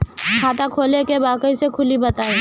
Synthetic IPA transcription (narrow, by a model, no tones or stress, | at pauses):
kʰaːt̪akʰoːlekebaːkəisekʰʊlibɐt̪aːe